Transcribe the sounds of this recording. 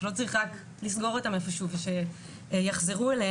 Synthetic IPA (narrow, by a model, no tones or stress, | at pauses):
lo̞t͡sʁiχak | lis̬ɡo̞ʁotamafaʃuveʃe | jaχzeʁuele